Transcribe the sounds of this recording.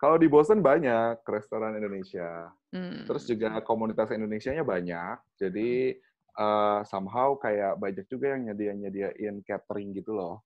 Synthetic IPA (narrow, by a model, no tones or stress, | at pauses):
kaladibosənbaɲakːɾɛst̪oɾanindonesia | t̪əɾʊsd͡ʒuɡakomunit̪asindonesiaɲabaɲak̚d͡ʒadi | ʔəːsamɦawkajaʔbaɲak̚d͡ʒuɡajaŋɲadiaɲadiaʔɪnkɛt̪ɾɪŋɡit̪ulɔh